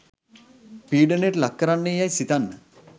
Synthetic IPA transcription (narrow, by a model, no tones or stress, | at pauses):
piːɖəneʈlakːəɾanːejajsit̪anːə